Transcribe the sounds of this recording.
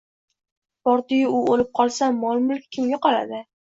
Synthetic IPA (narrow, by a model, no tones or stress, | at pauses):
pɒɾt̪ɪjɪʊolɪp̚qʰɒlˠsamɒlˠmʊlˠkʲkʲʰɪmɡʲaqɒla̰d̪ɪ